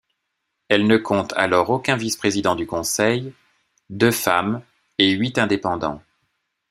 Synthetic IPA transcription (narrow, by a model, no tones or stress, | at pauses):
ɛlnəkʰɔ̃t̪ʰa̰lɔʁokʲɛ̃vispχezid̪ɑ̃d̪ykɔ̃sɛj | d̪øfam | eɥit̪ɛ̃d̪epɑ̃d̪ɑ̰̃